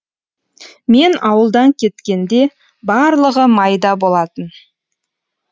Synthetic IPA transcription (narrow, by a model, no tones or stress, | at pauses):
me̞nɑwəlˠd̪ɑŋkʲʰe̞t̪kʲe̞nd̪e̞ | bɑɾlˠəʁəmɑjd̪ɑbo̞lˠɑt̪ən